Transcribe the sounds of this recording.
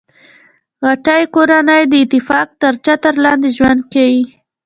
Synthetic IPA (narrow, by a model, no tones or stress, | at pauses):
ɣaʈəjkoɾanəjd̪əɪt̪ɪfɑk̚t̪əɾt͡ʃat̪əɾlɑnd̪eʒwand̪̚kawi